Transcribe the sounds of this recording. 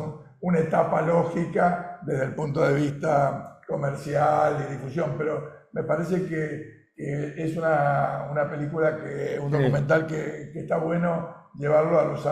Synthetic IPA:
n | unaet̪apalo̞xikaðeðelpunt̪oðe̞β̞ist̪ako̞meɾsjaliðifusjo̞mpeɾo̞me̞paɾes̬eke | keesunaunape̞likulakeund̪okument̪̬alkekeht̪aβwe̞no̞ʒe̞βaɾloalusa

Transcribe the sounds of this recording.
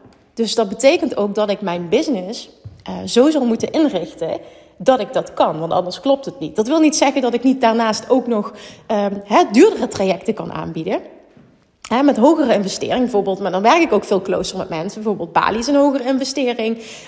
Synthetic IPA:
d̥ɵsdɑd̚bətejkəntowk̚dɑtɪkmɛjnbɪznɪs | zowzɑlˠmutənʔɪnrɪxtə | dɑtɪɡ̚dɑtkɑnʋɑntɑ̰ndəɹsklɔp̚tɦətnit̚d̥ɑtʋɪlˠnitsɛɣəndɑtɪknit̚daːɹnaːstowknɔx | ɦɛdyːɹdərətraːjɛktəkɑ̰nʔa̰ːnbidə | ɦɛmɛtɦowɣərəɪnvɛstɪ̰ːrɪŋbɛvoːɹbɪːlˠtmaːɹdɑnʋɛɹkɪkowkfɪːlˠklo̰wsərmɛtmɛnsəbəvoːɹbeːlˠt̚b̥a̰ːliɪsənɦowɣərəɪnvɛstɪːrɪŋ

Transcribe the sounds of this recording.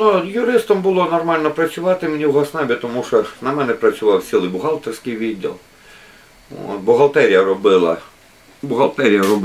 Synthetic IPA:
nujʊɾɪst̪ɐmbʊlˠɔnɔrmɑlʲnɔpɾɐsʲʊʋɑt̪ɪmenʲiwɦɔsnabʲɪt̪ɔmuʃɔnɐmɛnɛpɾɐt͡ssʲʊʋɑwsʲilˠɪjbʊɦɑlˠt̪ersʲkɪjʋʲid̪ʲːɐ̰lˠ | o̰t̪bʊɦɐlˠt̪ɛɾʲijɐɾɔbɪlˠɐ̰ | bʊɦɐlˠt̪ɛɾʲijɐɾɔb

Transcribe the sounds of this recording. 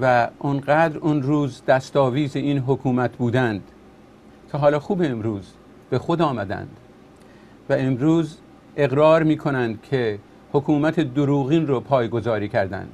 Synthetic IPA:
væʔonɢæːd̪ɾonɾuːzd̪æst̪ɒːviːzeiːnɦokʰuːmæt̪ʰbuːd̪ænd̪̥ | cʲʰeɦɒːlɒːxuːbeːmɾuːz | b̥e̞xod̪ɒːmæd̪æ̰nd̪̥ | væemɾuːz | e̞ɣɾɒːɾmiːkʰo̞nænd̪̥̚cʰe̞ | hokʰuːmæt̪ʰed̪oɾuːɣiːnropʰɒːjɡo̞zɒːɾiːcʰæɾd̪æ̰nd̪̥

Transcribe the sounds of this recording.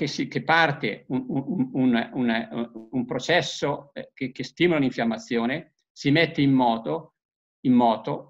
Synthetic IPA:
kesik̟epːart̪eunuunununumpɾot͡ʃɛsːokekːest̪iːmolaniɱfjamːat̪sːjoːne | simet̪ːeimːɔːt̪o | imːɔːt̪o

